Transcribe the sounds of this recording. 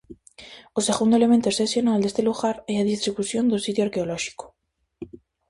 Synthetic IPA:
ose̞ɣund̪oele̞mẽnt̪oesθesjo̞nald̪e̞st̪eluɣaɾeaðist̪ɾiβuθjo̞nd̪usit̪joaɾkeoloʃi̥ko̥

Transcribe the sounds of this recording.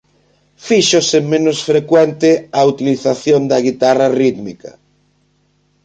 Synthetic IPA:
fiʃosemẽnoʊsfɾekwɛnt̪ɪaut̪iliθaθjond̪ɐɣit̪arɐriðmikɐ̰

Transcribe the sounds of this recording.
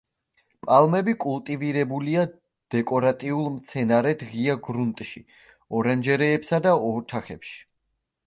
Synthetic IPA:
pʼalˠmɛbikʼulˠt̪ʼiviɾɛbulia | d̪̥ɛkʼɔɾat̪ʼiulˠmt̪sʰɛnaɾɛt̪ʰʁiaɡɾunt̪ʼʃi | ɔɾand͡ʒɛɾɛːpsad̪aɔt̪ʰaχɛpʃi̥

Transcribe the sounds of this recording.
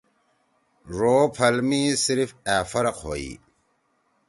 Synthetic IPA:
ɾoːpʰɐlmisiɾfæːfɐɾɐqho̰ːḭ

